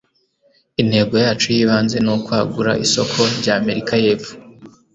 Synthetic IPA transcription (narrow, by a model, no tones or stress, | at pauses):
inhe̞ːɡo̞jaːt͡ʃujiːβaːnze̞nokwaːɡuɾa̰ʔiso̞kʰo̞ɾɟaːme̞ɾikʰaje̞ːfu̥